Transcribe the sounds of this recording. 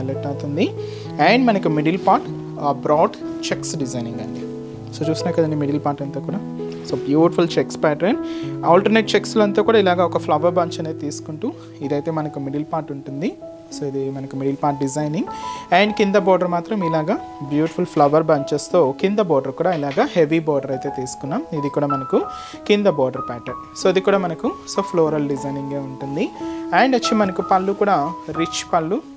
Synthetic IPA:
ɐlɐʈːɐwt̪und̪i | ɛːɳɖmɐnɐkumiɖilpaːɾʈ | bɾɔːɖt͡ʃeksɖizɐjniŋɡɐɳɖi | soːt͡ʃuːsnaːɾkɐd̪ɐɳɖimiɽilpaːɾʈɐnt̪aːkuːɽaː | soːbjuːʈifult͡ʃekspaːʈɾɐnɐlʈɐɾneʈ̚t͡ʃeksloɐnt̪aːkuːɽaːilaːɡaːɔkɐpʰlɐʋɐɾbɐɲt͡ʃɐneːt̪iːsu̥kuɳʈu | id̪ɐjt̪e̞ːmɐnɐkumiɖilpaːɾʈuɳʈund̪i | soːid̪imɐnɐkumiɽilpaːɾʈ̚ɖid͡ʒɐjniŋɡaːɳɖkind̪ɐbɔːɖɐɾmaːt̪ɾɐmilaːɡaː | bjuːʈi̥fʰulpʰlɐʋɐɾbɐɲt͡ʃeːst̪o̞ːkind̪ɐbɔːɖɐɾkuːɽaːilaːɡaːhe̞ʋibɔːɖɐɾɐjt̪e̞ːt̪iːsu̥kunːaːmid̪ikuːɽaːmɐnɐku | kind̪ɐbɔːɖɐɾpɛːʈɐɾn | soːɐd̪ikuːɽaːmɐnɐkuso̞ːpʰloːɾɐlɖid͡ʒɐjniŋɡeːuɳʈund̪iaːɳɖɐt͡ʃːimɐnɐkupɐlːukuːɽaːɾit͡ʃːpɐlːu

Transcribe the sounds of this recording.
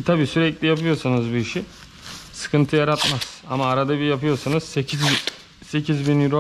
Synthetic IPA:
t̪ʰabiːsyɾɛclʲijapɯjo̞sanɯzbuiʃi | sɯ̥kʰɯnt̪ʰɯjaɾat̪maz̥amaːɾad̪abijapɯjo̞sanɯz̥secʰiz | se̞cʰizbinjyɾo

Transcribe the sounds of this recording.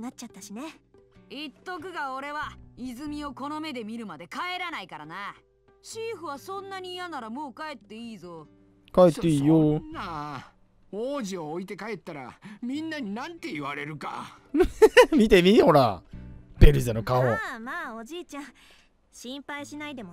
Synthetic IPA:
nat͡ɕat̪ːaɕineit̪ːo̞k̬ɯ̟ɡao̞ɾe̞βaizɨmʲio̞ko̞no̞me̞d̪e̞mʲiɾɯ̟mad̪e̞kae̞ɾanaikaɾana | ɕiːɸɯ̟β̞asõ̞nːaɲ̟iːjanaɾamo̞ːkae̞t̪ːe̞iːzo̞ | kaet̪ːeiːjoa | oːʑioːit̪e̞kae̞t̪ːaɾamʲĩnːaɲ̟inãnt̪e̞iβaɾe̞ɾɯ̟ka̰ | mʲit̪e̞mʲiho̞ɾa | b̥e̞ɾɯ̟zanokaomaːod͡ʑiːt͡ɕã | ɕĩmpaiɕinaid̪e̞mo

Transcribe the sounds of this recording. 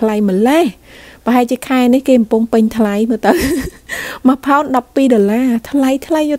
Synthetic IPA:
lajməlehpə̆ɦaɛlt͡ɕiəkʰaɛnihkeːkɑmpʊŋpɨɲt̪ʰlajməːt̪ɨw | məpʰaɔnɗɑpːiːɗoəlaːt̪ʰlajt̪ʰlajːŭ

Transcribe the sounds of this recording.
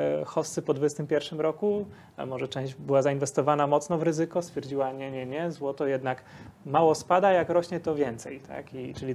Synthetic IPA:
xɔsːɘpɔd̪vud͡ʑɛst̪ɘmpʲjɛɾfʂɘmɾɔku | a̰mɔʐɛt͡ʂɛ̃w̃ʑd͡ʑbɘwazainvɛst̪ɔvanamɔt̪snɔvɾɘzɘkɔst̪fʲjɛɾd͡ʑiwaɲɛɲɛɲɛzwɔt̪ɔjɛd̪nak | mawɔspad̪ajakɾɔɕɲɛt̪ɔvʲjɛnt̪sɛ̰jt̪ʰa̰kit͡ʂɘlʲi

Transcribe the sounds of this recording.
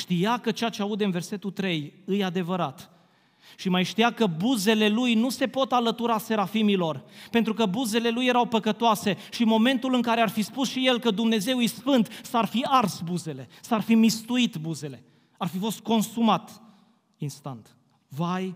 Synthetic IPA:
ʃt̪ijakət͡ʃeat͡ʃeaud̪eɨnve̞rse̞t̪ut̪ɾe̞jɨjad̪e̞vəɾat̪ | ʃimajʃt̪ijakəbuze̞le̞lujnuse̞po̞t̪alət̪uɾase̞ɾafimilo̞rpe̞nt̪ɾukəbuze̞le̞lujːe̞ɾawpəkət̪oase̞ʃimo̞me̞nt̪ulɨŋkaɾe̞arfispusʃije̞lkəd̪umne̞ze̞wjsfɨnt̪sarfiarsbuze̞le̞sarfimist̪uit̪buze̞le̞ | arfifo̞st̪̚ko̞nsumat̪ | inst̪ant̪ | vaj

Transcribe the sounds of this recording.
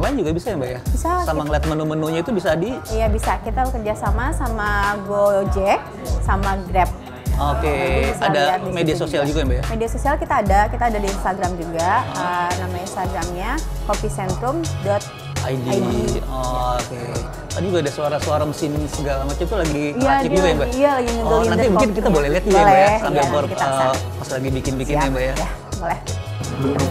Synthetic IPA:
maɲad͡ʒuɡabisajambajabisasammaŋliat̪̚mənomənoɲait̪ubisaːdiijabisakit̪akərd͡ʒasamasamaɡod͡ʒe | samaɡɾɛp̚ | okeadamediasosiald͡ʒuɡaambajamediasosialkit̪aːdakit̪aːdadiːnst̪aɡɾamd͡ʒuɡanamainst̪aɡɾamɲakopisɛnt̪ɾʊmdɔt̪̚ | a̰idiiiɔoke | and͡ʒuɡaːdasuaɾasuaɾaməsɪnsəɡalamat͡ʃamt̪ulaɡiaikd͡ʒuɡajambaijalaɡiŋəuananimukɪnkit̪abolɛhliat̪̚d͡ʒubɡalɛbajasamɛbərit̪aəpaslaɡibikɪnbikɪnnambajajabolɛh

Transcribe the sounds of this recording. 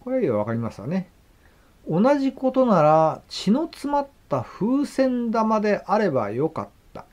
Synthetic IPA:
koɾeiaβakaɾʲimasɨa̰ne̞ | o̞naʑiko̞t̪o̞naɾat͡ɕino̞t͡sɨmat̪ːaɸɯ̟ːsẽ̞nd̪amad̪e̞ʔaɾe̞ba̰jo̞ka̰t̪ːa̰

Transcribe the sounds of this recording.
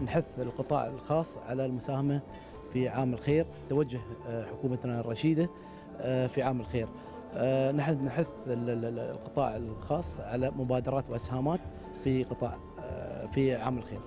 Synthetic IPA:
nħʊθːɪlqɨt̪ˤɑ̰ːʕɪ̰lxɑːsˤːʕa̰lalmʊsaːhama | fiʕaːmɪlxeːɾ | t̪awad͡ʒːʊhħʊkuːmanaɾˤɑʃiːd̪a | fiʕaːmɪlxeːɾ | nħnħʊθɪllqɨt̪ˤɑ̰ːʕɪlxɑːsˤːʕalamʊbaːd̪ɑɾˤɑːt̪wʔɪshaːmaːt̪ | fiqɨt̪ˤɑ̰ːʕ | fiʕa̰ːmɪlxeːɾ

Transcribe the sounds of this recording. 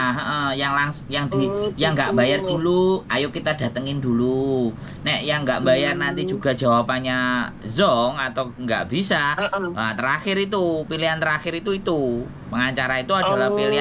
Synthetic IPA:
aɦəʔəjaŋlaŋsŋjaŋd̥ijaŋɡaʔmbajard̥uluajokit̪ada̤t̪əŋɪndulu | nɛʔjaŋɡaʔmbajarnant̪i̥d͡ʒṳɡa̤̥d͡ʒ̥a̤wapaɲazɔŋat̪awŋɡa̰ʔb̥isaat̪əɾaxɪɾit̪̬upiliɦant̪əɾaxɪɾit̪uit̪u | pəŋaɲt͡ʃaɾait̪uada̤lahpilia

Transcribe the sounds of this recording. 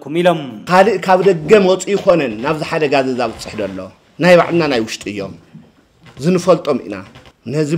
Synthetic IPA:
kʰumilomkʰaliʔkʰaβd̪ɐɡːɐmɔt͡sʼujɪko̞nɐnːaβzɨħad̪ɐɡazɐzaβɨt͡sʼɨ̥ħd̪ɐlːo | najβaʕlɨnanajwʊʃt̪ʼɨjːo̞̰m | zɨnɨfɐlt̪ʼo̞mʔḭna̰nɐzi

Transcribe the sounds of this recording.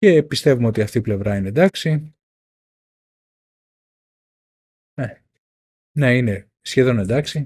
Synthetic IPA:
ce̞pist̪e̞vumeo̞t̪iɐft̪iːple̞vɾɐined̪ɐksi | e | neine̞ | sçe̞ðo̞nend̪ɐksi

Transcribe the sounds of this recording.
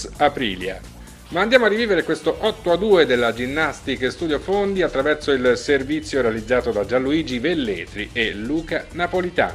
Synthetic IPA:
apɾḭːlja̰ | maːnd̪jaːmoarːiviːveɾekwest̪oʔɔt̪ːoad̪ːuːed̪elːad͡ʒinːast̪ikst̪ud̪jofond̪iat̪ːɾavɛrsoilservit̪sːjoɾealid̪zːaːt̪od̪ad͡ʒalːuiːd͡ʒivelːeːt̪ɾiʔelːuːkanapolit̪a̰ː

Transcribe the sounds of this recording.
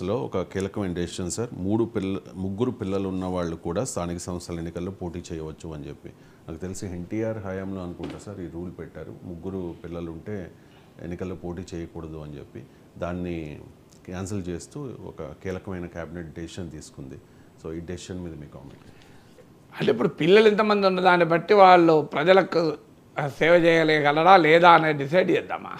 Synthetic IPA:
ɐlo̞ːɔ̰kɐkiːlɐkɐmɐjnɐɖeʃɐnsaːɾmuːɽupilmuɡːuɾupilːɐlunːɐʋaːɭːukuːɽaːst̪ʰaːnikɐsɐmɐsɾaːle̞nːikɐlːo̞ːpo̞ːʈiːt͡ʃɛːjɐʋɐt͡ʃːuɐnt͡ʃe̞pːḭ | naːkut̪elisieɳʈiaːɾɦaːjaːmlo̞ːɐnukuɳʈaːsaːɾiːɾuːlpɛʈːaːɾṵmuɡːuɾupilːɐluɳʈe̞ː | ḛnːikɐlːoːpo̞ːʈiːt͡ʃɛːjɐkuːɽɐd̪uɐnt͡ʃe̞̰pːḭ | d̪aːnːi | kaːnsɐlt͡ʃeːst̪uːɔ̰kɐ̰kiːlɐkɐmɐjnɐkaːbineʈ̚ɖeʃɐnt̪iːsu̥kund̪i | soːiːɖeʃɐnmiːd̪ɐmiːkaːmḛɳʈ | ɐɳʈeipːuɽupilːɐlint̪ɐmɐnd̪iunːɐd̪aːnːibɐʈːiʋaːɭːupɾɐd͡ʒɐlɐku | sɛːʋɐt͡ʃɛːjɐlɛɐɡɐlɐɽaːlɛːd̪aːɐneːɖis̬ɐjɖd͡ʒɛːd̪ːa̰ːma̰ː

